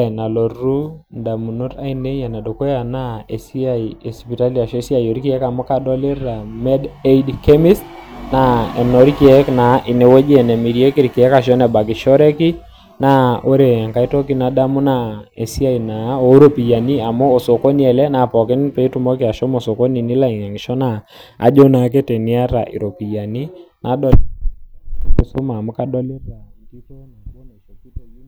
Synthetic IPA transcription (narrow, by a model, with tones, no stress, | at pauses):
na˨lo˨ru˦nda˨mu˨no˦ta˦i˦ne˦ja˨na˨do˨ko˦ja˨na˦e˨si˦a˨i˨e˨spi˨ta˦li˨a˨ʃɔ˦si˦a˨jo˨ɾi˦ki˦ɛ˦ka˨mo˦ka˦dɔ˦le˦ra˨mɛ˦de˦idke˦mi˦sna˨ɛ˨no˨˦ɾi˦ki˦ɛ˦kna˨˦ʔɪ˨ne˨we˦d͡ʒɛ˨nɛ˨mi˨ɾi˦e˦ki˦ɾiki˨ɛ˦ka˨ʃ̬ɔ˦nɛ˨ba˨k̬i˨ʃɔ˦ɾɛ˦ki˦ | na˦o˦ɾe˨ŋka˨i˦to˦ki˦na˨da˦mʊ˦na˨e˨si˦a˦i˨na˨˦o˨˦ɾo˦pi˨ja˨ni˦a˨mo˦o˨so˨ko˦ni˦ɛ˨lɛ˦na˨pɔ˨kɪ˦npe˨˦tu˦mɔ˦kɪ˨a˨ʃɔ˦mo˨so˨ko˦ni˨ni˦la˦˨i˨ŋa˨ŋi˨ʃɔ˦na˨ | a̰˨d͡ʒo˦na˨k̬e˦te˨ni˦a˦ɾa̰˨ʔḭ˨ɾo˨pi˨ja˨ni˦nʔa˨˦dɔ˦ | ku˨so˦ma˨mʊ˦ka˦dɔ˦le˦ta˨nki˦to˦na˨ko˦na˨ʃo˦ki˦te˨i˦